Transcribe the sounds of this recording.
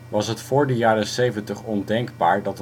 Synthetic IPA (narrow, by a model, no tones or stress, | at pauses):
ʋɑsɦətfʊːɹdəjaːɾəsejvəntəχɔndɛŋɡbaːɹdɑt